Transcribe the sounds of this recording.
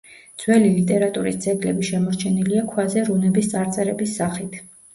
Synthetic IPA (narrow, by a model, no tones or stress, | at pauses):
d̪z̥wɛlilit̪ʼɛɾat̪ʼuɾist̪sʼɛɡlɛbiʃɛmɔɾt͡ʃʰɛniliakʰwazɛɾunɛbist̪sʼaɾt̪sʼɛɾɛbisːaχit̪ʰ